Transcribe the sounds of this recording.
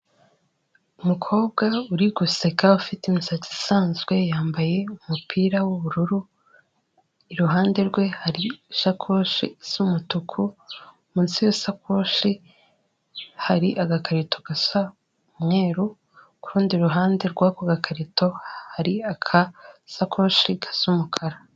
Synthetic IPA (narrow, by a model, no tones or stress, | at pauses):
umukʰo̞ːbɡauɾiɡusekaufitimisat͡si̥saːnzɡwe̞jaːmbaje̞umupʰiːɾawuβuɾuɾu | iɾuɦaːnde̞ɾɡwe̞haɾiʃakʰoʃḭsumutukʰu | munsijesakʰoʃi | haɾiʔaɡakaɾito̞ɡasa | mŋe̞ːɾu | kuɾuːndiuɾuɦaːnde̞ɾɡwakwaɡakʰaɾito̞haɾiakʰasakʰo̞ʃikʰḁsumukʰaɾa